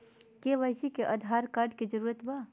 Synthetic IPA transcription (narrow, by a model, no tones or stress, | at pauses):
keʋəɪsikeʔəd̪ʱaɾkaɾɖked͡ʒəɾuɾət̪ba